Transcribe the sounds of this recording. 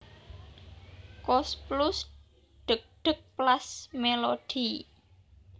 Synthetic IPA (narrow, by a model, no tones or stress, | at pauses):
kɔsplʊs | ɖ̥ək̚ɖ̥ə̤k̚plasmelod̥i